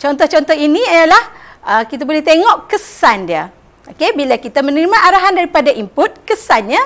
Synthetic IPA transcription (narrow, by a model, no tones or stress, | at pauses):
t͡ʃɔnt̪ɔht͡ʃɔnt̪ɔɦinĩijalahəkit̪abolɛht̪eŋɔʔkəsandiə | ʔokebilakit̪amənəɾimãʔaɾaɦandaɾipadaʔimpʊt̪̚kəsanɲa